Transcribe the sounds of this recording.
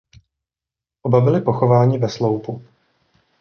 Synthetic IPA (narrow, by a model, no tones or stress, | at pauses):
ʔobabɪlɪpoxo̞vaːɲɪvɛslo̞wpu